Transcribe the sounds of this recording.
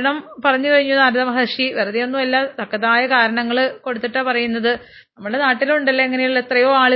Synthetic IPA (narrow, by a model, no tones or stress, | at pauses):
ɳɐmpɐrɐɲːukɐriɲːunaːɾuðɐmɐɦɐʂiʋerɐðijo̞nːumɐlːɐt̪ɐkːɐðaːjɐkaːɾɐɳɐŋːɐɭko̞ɽut̪ːiʈːɐpɐrɐjunːɐðɨ | nɐmːɐɭɨɽe̞naːʈːiluɳɖɐlːɐeŋːɐnejilet̪rɐjo̞ːaːɭɨ